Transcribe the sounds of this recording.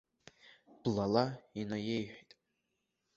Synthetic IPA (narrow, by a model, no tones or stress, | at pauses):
b̥lalainojejħʷᶣitʼ